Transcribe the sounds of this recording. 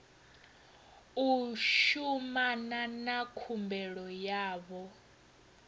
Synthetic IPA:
uʃumananakʰumbɛɺɔjaːβɔ

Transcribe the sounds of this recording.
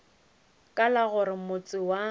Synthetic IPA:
kʼalaɣʊɾɪmʊt͡sʼɪwa

